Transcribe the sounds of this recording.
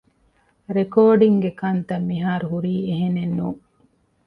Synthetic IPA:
ɾekoːɖiŋɡekɐnt̪ɐmːiɦaːɾuɦuɾiːeɦenenːuː

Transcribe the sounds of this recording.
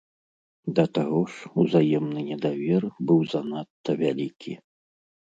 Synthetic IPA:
d̪ɐt̪aɣɔʂuzajɛmnɨnʲɛd̪avʲɛrbɨwzanat̪ːɐvʲalʲikʲʰḭ

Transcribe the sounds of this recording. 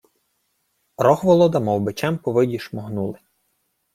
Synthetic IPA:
ɾɔxʋɔlˠɔd̪ɐmɔwbɪt͡ʃɛmpɔʋɪdʲiʃmɔɦnulˠɪ

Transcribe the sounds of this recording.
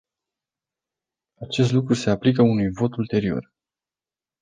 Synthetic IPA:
at͡ʃe̞s̬t̪lukɾuse̞aplikəunujvo̞t̪ult̪e̞ɾio̞̰r

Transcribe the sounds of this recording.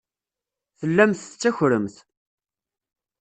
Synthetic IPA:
θəlːæmθt͡sːæçɾəmθ

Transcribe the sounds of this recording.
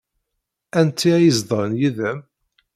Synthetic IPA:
ænt̪ːiæjəzd̪ˤəɾnjiðæm

